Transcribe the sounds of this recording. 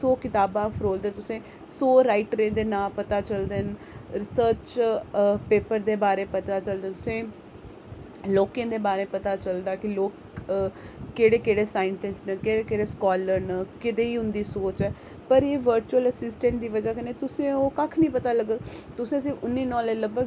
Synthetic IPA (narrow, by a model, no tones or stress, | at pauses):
soːkɪt̪aːbaːfʰɾoːld̪ɛːt̪ʊsẽː | soːɾaːɪʈɾẽːd̪eːnãːpət̪aːt͡ʃəld̪eːn | ɾɪsəɾt͡ʃ | peːpəɾd̪eːbaːɾeːpət̪aːt͡ʃəld̪ẽːt̪ʊsẽː | loːkẽːd̪eːbaːɾeːpət̪aːt͡ʃəld̪aːkɪloːk | eːɽeːkeːɽeːsaːɪɳʈɪsʈnəkeːɽeːkeːɽeːskɔːləɾnəkɪt̪eːiːɦʊnd̪iːsoːt͡ʃɛː | pəɾeːʋəɾt͡ʃuələsɪsʈɛ̃ɳʈ̚d̪iːʋəd͡ʒaːkəneːt̪ʊsẽːoːkakʰnĩːpət̪aːləɡət̪ʊsẽːəsĩːʔʊnːiːnɔ̃ːleləɡ̚bəɡ